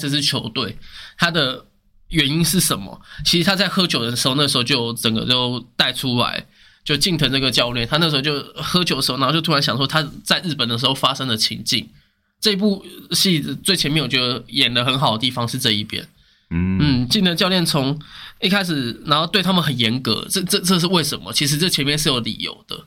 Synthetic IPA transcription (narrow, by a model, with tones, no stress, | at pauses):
s̩˨˩ʂ̬̩˥˩t͡ɕʰjo˧˥ʊt̪we˥˩ɪt̪ʰa˥d̪ə˨ | ɥɛ˧˥ni˦˥nʂɻ̩˥˩ʂə˨˩˦nmə̰˦t͡ɕʰi˧˥ʂɻ̩˧˩t̪ʰa˥t͡sa˥˩ɪxɤ˥t͡ɕʰjo˨˩ʊd̪ə˦ʂ̩˧˥xo˥˧na˥˩ʂ̩˧xo˥˧ʊt͡ɕjo˥˩ʊʈ͡ʂə˨˩ŋɡə̰˦t͡ɕo˥˧ʊt̪a˥˩ɪʈ͡ʂʰu˥la̰˧˥ɪ | t͡ɕjo˥˧ʊt͡ɕi˥˩ŋt̪ʰə˧˥ŋna˥˩ɡə˩t͡ɕjɑ˥˧ʊljɛ˥˩nt̪ʰa˥n˥˩ʂ̬̩˧˥˧t͡ɕo˥˧ʊxɤ˥t͡ɕʰo˨˥˦də˧˥˩t͡ɕj̪ʰu˥a˧nɕjɑ˨˩ŋʂwɔ˥t̪ʰa˥t͡sa˥˧ɪɻɻ̩˥˩pə˨˩nd̪ə˩ʂ̬ɻxo˥˧ʊfa˥ʂɤ˥ŋd̪ə˨t͡ɕʰḭ˧˥ŋt͡ɕḭ˥˨ŋ | ʈ͡ʂɤ˥˧i˧˥pu˥˧ɕi˥˩t͡swe˥˩ɪt͡ɕʰjɛ˧nm˥˨˩t͡ɕɥɛ˧˥˧ə˧jɛ˨˩nlə˦xə˧˥nxɑ˨˩ʊd̪ə˦t̪i˥˩fɑ˧ŋʂɻ̩˥˧ʈ͡ʂɤ˥˧i˥˩pjɛ̰˥n | n̩˥˩t͡ɕi˥˩nt̪ʰə˧ŋt͡ɕjɑ˥˧ljɛ˥˩nt͡sʰʊ˧˦ŋi˥˩kʰa˥ɪʂ̬ɻ̩˨˩na˧˥nxo˥˧ʊt̪we˥˩ɪt̪ʰa˥mə˨nxə˨˩njɛ˧˥nkɤ̰˧˥ʈ͡ʂə˥˧ʈ͡ʂɤ˥˧ʈ͡ʂɤ˥˧ʂ̬̩˥˧we˥˩ɪʂə˧˦nmə̰˨t͡ɕʰi˧˥ʂ̬̩˧˥t͡sə˥˩t͡ɕʰɛ˧˥nmjɛ˥˧nʂɻ̩˥˩jo˧˥ʊlḭ˨˩jo̰˨˩ʊd̪̥ə̰˦